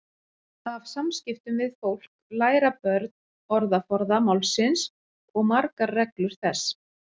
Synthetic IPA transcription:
avsamscɪft̪ʏmvɪðfowl̥klaːjɾapœɾt̪̚n | ɔɾðafɔɾðamawlsɪns | ɔɣmaɾkaːɛklʏɾ̥θɛs

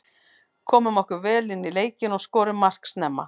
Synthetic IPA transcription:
kʰɔːmʏmɔhkʏvɛːlɪnːileːjcɪnɔɣskɔːɾɪmːar̥ksnɛmːa̰

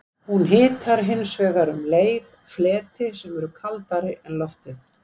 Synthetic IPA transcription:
hunɦɪːt̪ʰaɾɦɪnːsvɛːɣaɾʏmleːjðflɛːt̪ɪsɛmɛɾʏkʰalt̪aɾɪʔɛnlɔft̪ɪθ

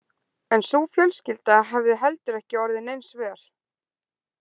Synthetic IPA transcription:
ɛnsuːfjœlscɪlt̪aɦavðɪɦɛlt̪ʏɾɛhcɪɔɾðɪnejnsvɛːɾ̥

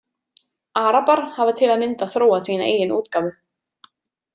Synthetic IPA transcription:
aːɾapaɾ̥havat̪ʰɪlaðmɪnt̪aθɾoːwaθiːnaḛːjɪnʔuːt̪kaːvʏ

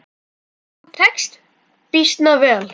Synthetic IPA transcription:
t̪ʰɛkst̪ | pist̪navɛːl

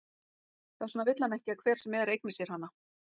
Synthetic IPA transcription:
θḁsɔːnavɪt̪lanɛhcɪakʰvɛːɾ̥sɛmːɛːðɾejk̚nɪsjɛɾ̥hanːa

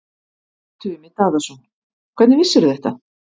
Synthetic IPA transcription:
t̪ʰʏmɪt̪aːðasun | kʰvɛt̪nɪvɪsːɛɾʏθɛht̪a

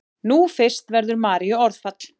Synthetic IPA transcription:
nufɪr̥st̪vɛɾðʏɾmaːɾiʏɔɾðfat̪l̥

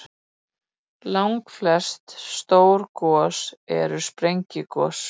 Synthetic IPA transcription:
lawŋkflɛst̪st̪oːwɾkɔːsɛ̰ɾʏspɾejɲcɪkɔːs

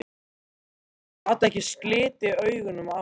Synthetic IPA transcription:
at̪aɛhcɪ̥sklɪːt̪ɪœːɥɣʏnʏma

